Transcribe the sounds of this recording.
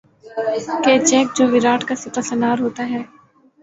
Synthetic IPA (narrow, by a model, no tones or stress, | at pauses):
keːd͡ʒɛːk̚d͡ʒoːʋɪɾaːʈkasɪtasənaːɾɦoːt̪aɦɛː